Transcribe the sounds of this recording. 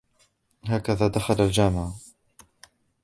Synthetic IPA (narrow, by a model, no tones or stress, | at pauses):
ɦaːkaðaːd̪axalald͡ʒaːmɪʕ